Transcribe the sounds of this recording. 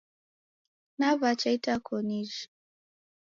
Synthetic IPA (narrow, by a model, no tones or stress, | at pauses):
navat͡ʃaitakʰɔniʒ